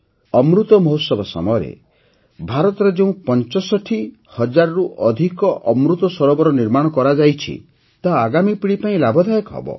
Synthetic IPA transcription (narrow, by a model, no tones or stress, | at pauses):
ɔmɾut̪ɔmɔɦot̪sɔbɔsɔ̰mɔjɔɾḛ | bʱaɾɔt̪ɔɾed͡ʒeũpɔnt͡ʃɔsɔʈʰi | hɔd͡ʒaɾɔɾuʔɔd̪ʱikɔʔɔmɾut̪ɔsɔɾɔbɔɾɔniɾmaɽ̃ɔkɔɾad͡ʒajt͡ʃʰḭ | t̪aːɡamipiɽipaĩlabʱɔd̪ʱajɔkɦɔ̰bɔ̰